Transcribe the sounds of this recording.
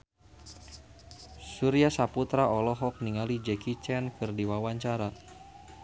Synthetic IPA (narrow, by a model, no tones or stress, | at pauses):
suɾiasaput̪ɾaɔlɔɦɔk̚niŋalid͡ʒɛkit͡ʃɛnkɨrdiwawaɲt͡ʃaɾa